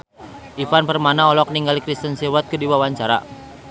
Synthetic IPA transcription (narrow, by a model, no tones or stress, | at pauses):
ʔifanpərmanaɔlɔk̚niŋɡalikɾist̪ənsewat̪̚kədiwawaɲt͡ʃaɾa̰